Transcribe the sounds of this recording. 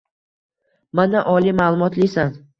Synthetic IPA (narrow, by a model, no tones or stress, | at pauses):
manaʔɒlimalˠʊmɒt̪lɪsan